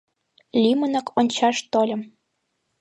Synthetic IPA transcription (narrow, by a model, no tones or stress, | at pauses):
lʲimə̆nɤ̆kʰonʲt͡ɕɑʃt̪olʲə̆m